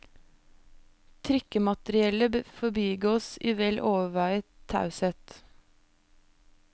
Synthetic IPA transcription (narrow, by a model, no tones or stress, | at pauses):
t̪ʰɾʏkəmɑt̪əɾɪɛləbøfɔbiːɡoːsiːʋɛlʔoːʋəʋæɪəɑ̰ʉsət̪